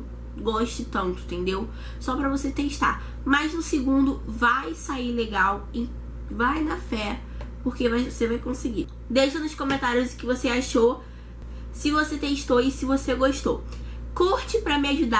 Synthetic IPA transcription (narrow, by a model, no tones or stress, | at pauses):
ɡɔʃt̪ɪt̪ɐ̃nt̪ʊ̥t̪ẽnd̪ew | sɔpɾɐvoset̪eʃt̪a̰ | mɐznʊsɪɡũnd̪ʊvajsaileɡawɪ | vajnɐfɛ | poɾkevajvosevajkõsɪɡi | d̪ejʃɐnʊʃkõmẽnt̪aɾjʊzɪkɪvoseaʃo | sɪvoset̪eʃt̪oɪsɪvoseɡoʃt̪o̰w | kɔht͡ʃɪpɾɐmɪaʒud̪a